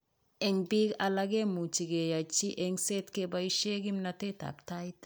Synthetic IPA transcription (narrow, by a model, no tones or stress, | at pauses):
ɛŋbikalaɡemut͡ʃiɡejat͡ʃiʔeŋsetkebaiʃeɡimnateta̰k̚tajt